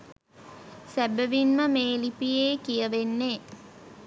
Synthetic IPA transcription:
sæbəʋinməmeːlipijeːkijəʋenːe

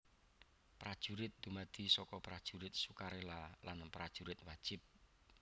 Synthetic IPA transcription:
pɾad̥ʒ̥uɾɪt̪̚d̪̥umad̪̥i̤sɔkɔpɾad̥ʒ̥uɾɪt̪̚sukaɾelalanpɾad̥ʒ̥uɾɪt̪̚wad̥ʒ̥ɪp̚

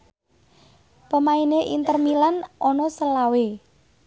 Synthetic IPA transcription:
pəmaineʔint̪ərmilanʔɔnɔsəlawe

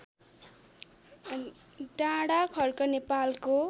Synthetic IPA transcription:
ɖãɽakʰʌrkʌnepalko

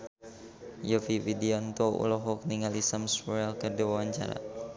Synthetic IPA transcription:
jofiwideɔnt̪ɔṵlɔɦɔk̚niŋalisamsuɾɛlkərdiwawaɲt͡ʃa̰ɾa̰

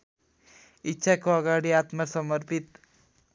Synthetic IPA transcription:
itːɕʰakːoaɡaɽiat̪masɔməɾpit̪

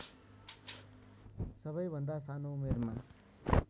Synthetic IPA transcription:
sʌbʌjbʱʌnd̪asanomeɾma

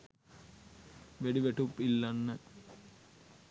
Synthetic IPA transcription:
ʋeɖiʋeʈupːilːɐnːɐ

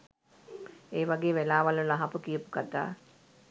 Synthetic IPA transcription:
eːʋaɡeːʋelaːʋaləlaɦapəkijəpukat̪a̰ː

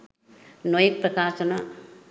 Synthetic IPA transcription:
nojpɾɐkaːsɐnã

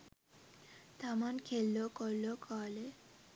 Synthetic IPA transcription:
t̪amankʰelːokɔlːokʰale

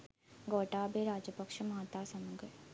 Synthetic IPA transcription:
ɡoːʈːaːbeːɾaːd͡ʒɐbɐkʂɐmɐt̪aːsɐmuɡɐ

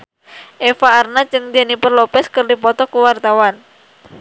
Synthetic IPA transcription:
ʔefaːrnat͡ʃɨŋd̪ianipərlopɛskərdipɔt̪ɔkuwart̪awan

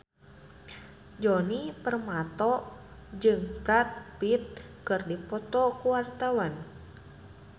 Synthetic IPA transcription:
d͡ʒɔnipərmat̪ɔd͡ʒɨŋbɾat̪̚pit̪̚kɨrdipɔt̪ɔkuwart̪awan

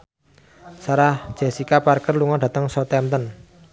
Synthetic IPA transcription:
saɾḁd͡ʒ̥e̤sikaparkərluŋɔɖa̤t̪əŋsɔt̪ɛmt̪ən

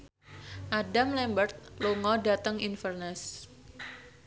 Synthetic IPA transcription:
ʔadamlɛmbərt̪̚loŋɔdat̪əŋinfərnɛs

